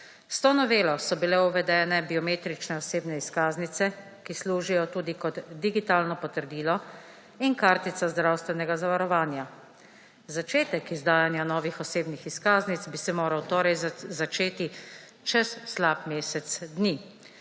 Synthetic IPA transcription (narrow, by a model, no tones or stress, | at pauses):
st̪ɔnɔʋeːlɔsɔbilɛuʋɛd̪ɛːnɛbiɔmeːt̪ɾit͡ʃnɛɔseːbnɛiskaːznit̪ɛ | kisluːʒijɔt̪uːd̪ikɔd̪ːiɡit̪aːlnɔpɔt̪əɾd̪iːlɔ | inkaːɾt̪it̪sazd̪ɾawst̪ʋɛnɛɡazaʋaɾɔʋaːnja | zat͡ʃeːt̪ɛkizd̪aːjanjanɔːʋixɔseːbnixiskaːznit̪sbisɛmoːɾawt̪oːɾɛjzat͡ʃeːt̪i | t͡ʃɛsːlaːpmeːsɛt̪sd̪niː